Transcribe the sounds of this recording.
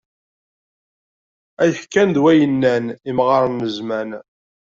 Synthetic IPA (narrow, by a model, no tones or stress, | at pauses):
æjəħkːænd̪wæjənːænimʁəɾˤməzmæn